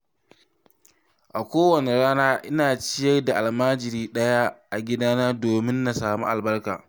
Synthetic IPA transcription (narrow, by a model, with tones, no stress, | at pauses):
ʔa˨kʷoː˦wɐ˨ne˨ɽaː˦naː˦ʔɪ˦naː˨t͡ʃɪ˦jɐ˦rda˨ʔa˨lmaː˦d͡ʒɪ˨ɾiː˦ɗɐ˦ja˦ʔa˨ɡʲɪ˦daː˦nɐ˦rdoː˨mɪ˦nːa˨saː˨mṵ˦ʔa˨lbɐ˦rka̰ː˨